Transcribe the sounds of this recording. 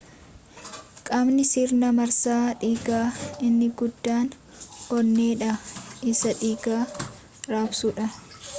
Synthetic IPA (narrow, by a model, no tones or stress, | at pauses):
kʼɐmnɪsiːɾnɐmɐɾsaːᶑiːɡaːɪnːɪɡʊd̪ːaːn | ɔɾnːeːᶑɐɪsɐᶑiːɡaː | ɾaːbsʊᶑɐ